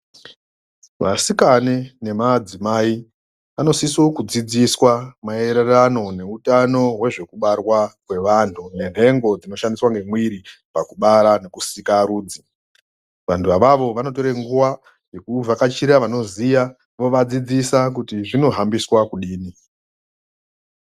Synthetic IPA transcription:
ʋa̰sikanene̞mad͡zimai | ʋano̞sisokud͡zid͡ziswamae̞ɾerano̞ne̞utano̞we̞ʐe̞kuɓarwakwe̞ʋantʰune̞n̤e̞ŋɡo̞d͡zino̞ʃandiswaŋɡe̞mwiɾipakuɓaɾane̞kusikaɾuːd͡zi | ʋantʰuʋaʋaʋo̞ʋano̞to̞ɾeŋɡuʋa | je̞kuvakat͡ʃiɾaʋano̞zija | ʋo̞ʋad͡zid͡zisak̬utiʐino̞ɦambiswakuɗiːni

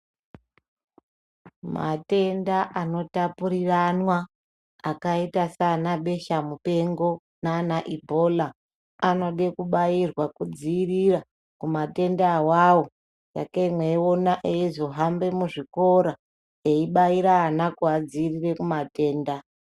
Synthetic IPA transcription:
ma̰te̞ndaʔano̞tapuɾiranwaː | kaitasanaɓe̞ʃamupe̞ŋɡo̞ | nanaʔibʱo̞laː | no̞ɗe̞kuɓairwakud͡ziːrira | kumate̞ndawawo̞ | ja̰kaimweonaʔeizo̞ɦambe̞muʐiko̞ɾa | eiɓaiɾaːnakuad͡ziirire̞kumate̞ːnda

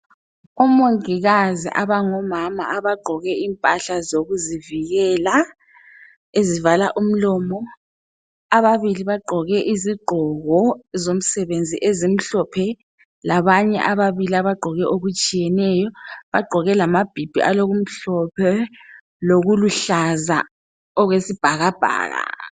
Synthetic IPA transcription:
ɔmoŋiɣazḭʔaβaŋɔmama̰ːβaɡ͡ǃʱɔɣɛimpʼaɬazoɣuziviɣɛːla | ezivalaʔum̩lɔːmɔ | aβaβiliβaɡ͡ǃʱɔɣɛʔiziɡ͡ǃʱɔɣɔzom̩sɛβend͡zʱḭʔezim̩ɬɔpʰɛ | laβaɲɛ̰ʔaβaβiliaβaɡ͡ǃʱɔɣɛʔoɣut͡ʃʼijɛnɛjɔβaɡ͡ǃʱɔɣɛlamab̥ʱib̥ʱḭʔaloɣum̩ɬɔpʰɛ | loɣuluɬaza̰ | ɔɣwesib̥ʱaɣab̥ʱa̰ːɣa̰

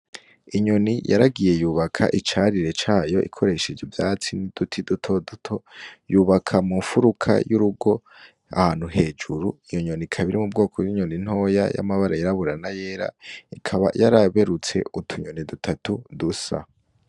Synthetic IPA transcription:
iɲo̞nijʔa̰ɾaɡije̞juːβakʰa̰ʔit͡ʃaːɾiɾe̞t͡ʃaːjo̞ʔḭkʰo̞ɾe̞ʃed͡ʒevjaːt͡sinid̥utʰidutʰo̞dutʰo̞juːβakʰamuɱfuɾukʰa̰juɾuɡo̞ | a̰haːn̥huɦe̞ːd͡ʒuɾuijoɲo̞nikʰaβiɾimub̚ɡo̞ːkʰojiɲonin̥ho̞ːja̰ja̰maβaɾajaɾaβuɾanajeːɾa̰ikʰaβa̰jaɾaβe̞ɾut͡se̞̰ʔutʰuɲo̞nidutʰatudusa̰

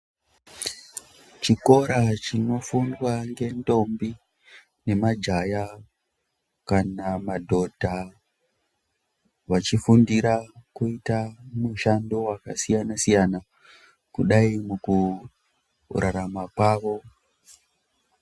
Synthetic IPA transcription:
t͡ʃiko̞ɾat͡ʃino̞fundwaŋɡe̞ndo̞mbi | ne̞mad͡ʒaja | kanamadʱo̞dʱa | ʋat͡ʃifundiɾakuitamuʃando̞wakasijanasijana | kuɗaimuku | raɾamakwaːʋo̞

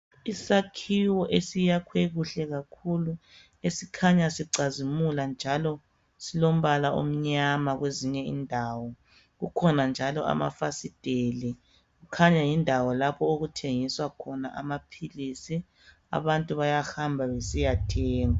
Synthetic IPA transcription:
isakʰiwɔʔesijakʰweɣuɬɛɣakʰulu | esikʰaɲasiǀazimuland͡ʒʱalɔ | silom̩βalaʔo̰m̩ɲamaɣweziɲɛḭndʱaːwɔ | ɣukʰɔnand͡ʒʱalɔʔa̰ma̰fasid̥ʱeli | ɣukʰaɲajindʱawɔlapʰɔoɣutʰeŋiswakʰɔna̰ʔamapʰilisi | a̰βantʼuβajahambʱaβesijatʰɛːŋa

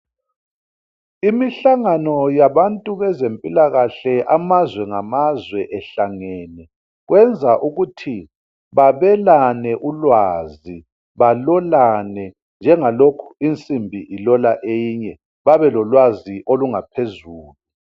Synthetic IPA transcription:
imiɬaŋanɔjaβantʼuβɛzempʼilaɣaɬɛʔamazwɛŋamazwɛʔɛɬaŋɛːnɛ | ɣwɛnd͡zʱaʔuɣutʰi | βaβɛlanɛʔulwaːzi | βalɔlanɛ | nd͡ʒʱɛŋalokʰu̥int͡sʼimbʱiʔilɔlaʔejiɲɛ | βaβɛlɔlwaziʔoluŋapʰezuːlu

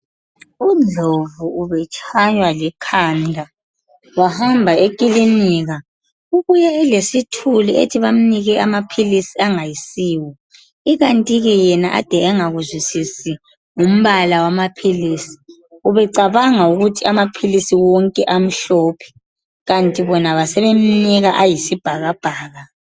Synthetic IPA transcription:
ud͡ɮʱovuuβɛt͡ʃʼʰajwalɛkʰandʱa | wahambʱaekʼiliniɣa | uɣujɛɛlesitʰuliḛtʰiβam̩niɣɛamapʰilisiaŋajisiːwɔ | iɣantʼiɣɛjɛnaʔa̰d̥ʱɛɛŋaɣuzwisisi | um̩βalawamapʰilisi̥ | uβɛǀaβaŋauɣutʰiamapʰilisiwɔŋkʼɛʔam̩ɬɔːpʰɛ̥ | ɣantʼiβɔnaβasɛβem̩niɣaʔajisib̥ʱaɣab̥ʱaːɣa

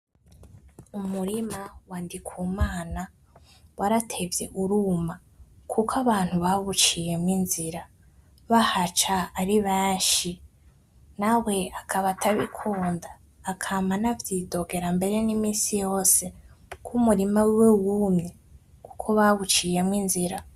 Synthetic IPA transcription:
umuɾimawaːndikʰwuːmaːna | waɾatʰe̞vje̞̰ʔuɾuːma | kʰukʰaβaːn̥huβaβut͡ʃije̞mŋinziɾa | βahat͡ʃaːɾiβeːnʃi | nawe̞akʰaβatʰaβḭkʰuːndaː | kʰamanavjido̞ɡe̞ɾambe̞ɾe̞nimiːsijo̞ːse̞kumuɾimawwewumɲe̞ | ku̥kʰoβaβut͡ʃijemŋinziɾa

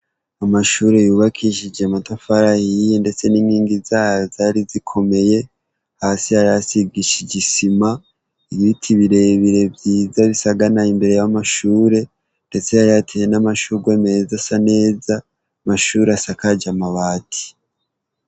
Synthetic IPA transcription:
amaʃuːɾe̞juːβakʰiʃid͡ʒematofaɾahijende̞t͡se̞niːnhiːŋɡizaːhazaːɾizikʰo̞me̞je̞ | haːsihajasiɡiʃiɟisima | iβitʰiβiɾe̞βiɾe̞bjiːzaβisaɡanaimbe̞ɾe̞jamaʃuːɾe̞ | nde̞t͡se̞haɾatʰejenamaʃuɾɡweme̞zasane̞ːza | maʃuːɾeasakad͡ʒamaβaːtʰi̥

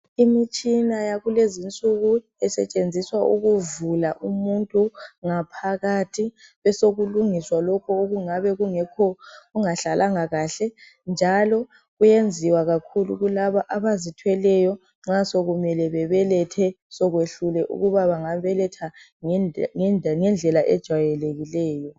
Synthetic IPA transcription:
imit͡ʃʼinajaɣulezint͡sʼuɣu | ɛsɛ̰t͡ʃʼend͡zʱiswaʔuɣuvulaʔumuntʼuŋapʰaɣatʰiβɛsoɣuluŋiswalɔkʰɔoɣuŋaβɛɣuŋɛkʰɔɣuŋaɬalʔaŋaɣaːɬɛ | nd͡ʒʱalɔ | ɣujend͡zʱiwaɣakʰulṵɣulaβaʔaβazitʰwɛlɛjɔ | ŋ͡ǁasoɣumɛlɛβɛβɛlɛtʰɛ | sɔɣweɬulɛʔṵɣuβaβaŋaβɛlɛtʰa | ŋŋɛnd͡ɮʱɛlaʔɛd̥ʒ̥ʱwajɛleɣilɛːjɔ

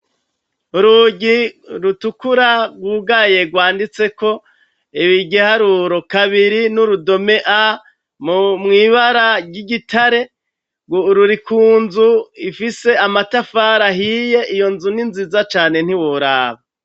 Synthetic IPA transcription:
uɾuɟiɾutukuɾaɡwuɡaje̞ɡwaːndit͡se̞ko̞ | iβiɡɟihaɾuɾo̞kaβiɾinuɾudo̞me̞ʔa | mumŋiːβaɾaɡiɡitʰaɾe̞ | ɡoɾuɾikʰuːnzuifise̞amatafaɾaɦije̞ʔijo̞nzuninzizat͡ʃaːne̞n̥hiwoɾaːβa

